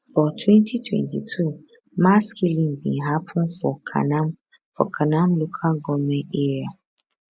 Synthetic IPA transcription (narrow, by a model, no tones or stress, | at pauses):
fɔtʰwɛ̃ntʰitʰwɛ̰̃ntitʰu | maskʰilĩŋbḭ̃nɦapʰʊ̃nfɔkʰa̰nam | fɔ̰kʰanãmlokʰalɡɔmɛ̃nteɹia